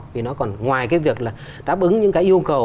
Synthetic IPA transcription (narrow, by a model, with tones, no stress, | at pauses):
vi˨˩nɔ˨˦kɔ˨˩nŋwaː˨˩jkaː˨˦jvi˨˩ək̚laː˨˩ | ɗaː˨˦˥p̚ʔɨ˨˦ŋɲɨ̰˧˥ŋkaː˨˦jʔi˧ə˧wkə˨˩w